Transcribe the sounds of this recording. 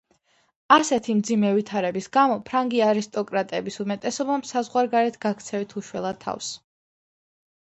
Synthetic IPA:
asɛt̪ʰimd̪zimɛvit̪ʰaɾɛbisɡamɔpʰɾaŋɡiaɾist̪ʼɔkʼɾat̪ʼɛbisumɛt̪ʼɛsɔbamsazʁwaɾɡaɾɛt̪ʰɡ̥akʰt̪sʰɛvit̪ʰuʃwɛlˠat̪ʰːa̰fs

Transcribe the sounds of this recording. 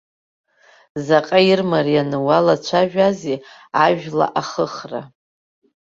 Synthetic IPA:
zaqʼairmaɾianɨwalat͡ʃʷʰaʒᶣazi | aʒᶣla̰ʔaχəχra̰

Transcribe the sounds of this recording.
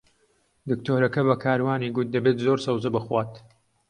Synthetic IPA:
d̪ɨkt̪ʰoːɾɐkɐβɐkʰaːɾwaːniːɡʊt̪̚d̪ɐbeːt̪zoːɾsɐwzɨbɨxwaːt̪

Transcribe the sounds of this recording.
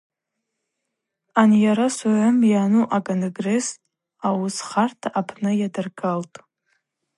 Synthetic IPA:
anjaɾasaʕʷʊmjanuʔakʼonɡre̞s | awusχartʰaʔapʰnɨjadɨrɡaltʼ

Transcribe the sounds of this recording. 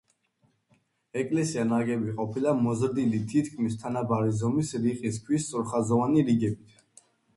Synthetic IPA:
ɛkʼlɛsianaɡɛbiqʼɔpʰilamɔzɾd̪ilit̪ʰit̪ʰkʰmist̪ʰanabaɾizɔmisɾiqʼiskʰwist̪sʼuɾχazɔvaniɾiɡɛbit̪ʰ

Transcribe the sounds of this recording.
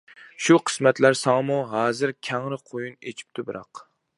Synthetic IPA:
ʃuqʰə̥smɛt̪læɾsɑŋmuɦɑːzɨɾkʲʰɛŋɾɪqʰojunet͡ʃʰi̥p̚t̪ʰubɨɾɑ̰q

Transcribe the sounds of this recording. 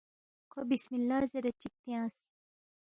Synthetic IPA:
qʰobismilːaːzeɾɐt͡ʃik̚t̪ijãːs

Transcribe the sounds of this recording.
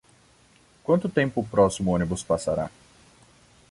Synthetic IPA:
kwɐ̃nt̪ʊt̪ẽmpʊpɾɔsimʊõnibʊspasaɾa̰

